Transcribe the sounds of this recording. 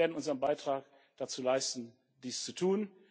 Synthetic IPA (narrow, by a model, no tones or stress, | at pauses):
eːɐdn̩ʔʊnzəʁənbaɪtʁ̥aːk | d̥at͡suːlaɪstn̩ | diːst͡sutʰuːn